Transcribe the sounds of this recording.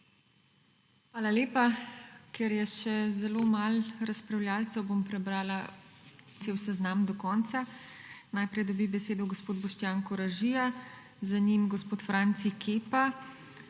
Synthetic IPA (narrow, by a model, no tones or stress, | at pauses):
xʋaːlaleːpakɛɾjɛʃɛzɛloːmalɾaspɾawljaːlt̪sɛwbompɾɛbɾaːla | t̪seːwsɛznamd̪ɔkɔːnt̪sanajpɾɛjd̪ɔbibɛseːd̪ɔɡospoːd̪̚bɔʃt̪jaŋkɔɾaʒija | zanimɡɔspoːt̪fɾant̪sikʰeːpa